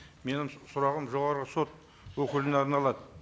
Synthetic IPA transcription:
me̞nɪmsʊɾɑʁəmʒo̞ʁɑɾʁəso̞t̪̚ | wɵkʲɪlɪneɑɾnɑlˠɑd̪ə

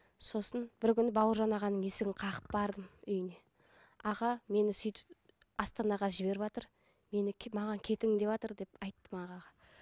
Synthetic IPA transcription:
so̞sənbɪɾkʲʏnɪbɑwəɾʒɑnɑʁɑnːəɴe̞sɪɡʲɪɴqʰɑqə̥p̚bɑɾd̪əmʏjɪne̞ | ɑʁɑme̞nɪsʏjt̪ɪ̥p | ɑst̪ɑnɑʁɑʒɪβe̞ɾɪβɑt̪əɾ | me̞nɪmɑʁɑŋkʲʰe̞t̪ɪŋɪd̪e̞βɑt̪əɾd̪e̞pɑjt̪ːəmɑʁɑʁɑ

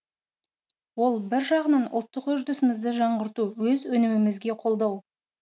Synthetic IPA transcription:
wo̞lˠbɪɾʒɑʁənɑnʊ̰lˠt̪ːəqɵʒd̪ʊsɪmɪzd̪ɪʒɑɴʁəɾt̪uwɵzwɵnɪmɪmɪzɡʲe̞qʰo̞lˠd̪ɑw

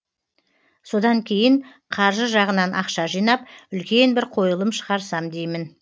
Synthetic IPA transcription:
so̞d̪ɑŋkʲʰe̞jɪɴ | qʰɑɾʒəʒɑʁənɑnʔɑqʃɑʒijnɑp̚ʏlkʲe̞nbɪɾqʰo̞jəlˠəmʃə̥ʁɑɾsɑmd̪e̞jmɪn

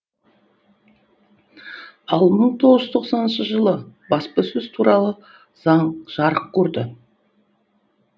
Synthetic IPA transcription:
ɑlˠməɴt̪ʰo̞ʁəʒʏzt̪ʰo̞qsɑnənʃəʒəlˠəbɑspəsɵz̥t̪ʰuɾɑlˠə | z̥ɑɴʒ̥ɑɾəq̚kʲʰɵɾd̪ɪ

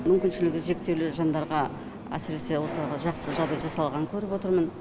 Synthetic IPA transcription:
mʏmkʲɪnʃɪlɪɡʲɪʒe̞k̚t̪ewlɪʒɑnd̪ɑɾʁɑ | æ̰sɪɾe̞se̞wo̞səlˠɑɾʁɑʒɑqsəʒɑʁd̪ɑjʒɑsɑlˠʁɑəŋkʲʰɵɾɪpwo̞t̪əɾmən

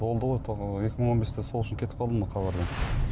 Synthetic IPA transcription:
bo̞lˠd̪əʁojt̪ʰoe̞kʲɪməɴo̞nbe̞st̪eso̞lˠʊʃɪŋkʲʰe̞t̪ɪ̥p̚ɑlˠd̪əməqʰɑβɑɾd̪ɑ

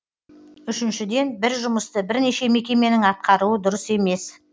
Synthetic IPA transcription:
ʏʃɪnʃɪd̪e̞nbɪɾʒʊməst̪əbɪɾne̞ʃe̞me̞kʲe̞me̞nɪŋɑt̪̚qʰɑɾuəd̪ʊɾəse̞me̞s

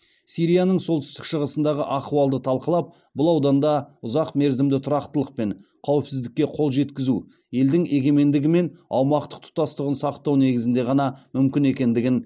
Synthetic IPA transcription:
sijɾijanəɴsolt̪ɪʏ̥st̪ɪ̥kʃəʁəsənd̪ɑʁəʔɑquɑlˠd̪ət̪ʰɑlˠqəlˠɑp̚ | bʊlˠɑwd̪ɑnd̪ɑʊzɑqme̞ɾzɪmd̪ɪt̪ʰʊɾɑqt̪əlˠəq̚pe̞ɴqʰɑwɪpsɪzd̪ɪkʲːe̞qʰo̞lˠʒe̞t̪kʲɪzu | je̞ld̪ɪŋe̞ɡʲe̞me̞nd̪ɪɡʲɪme̞nɑ̰wmɑqt̪ə̥q̚t̪ʰʊ̥ɑst̪əʁənsɑqt̪ɑwne̞ɡʲɪzɪnd̪e̞ʁɑnɑmʏmkʲɪne̞kʲe̞nd̪ɪɡʲɪn

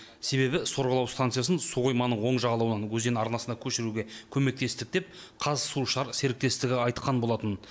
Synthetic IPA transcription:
se̞βe̞bɪso̞ɾʁəlˠɑwst̪ant̪sɨjasənsuʁo̞jmɑnəɴwo̞ɴʒɑʁɑlˠɑwənɑnwɵzd̪e̞nɑɾnɑsənd̪ɑkʲʰɵʃɪɾuɡʲe̞kʲʰɵme̞k̚t̪e̞st̪ɪk̚d̪e̞p̚ | qʰɑzsuʃɑɾse̞ɾɪk̚t̪e̞st̪ɪɡʲɪɑjt̪qʰɑnbo̞lˠɑt̪ən

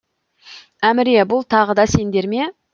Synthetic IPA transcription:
æmɪɾebʊlˠt̪ʰɑʁəd̪ɑse̞nd̪e̞ɾme̞

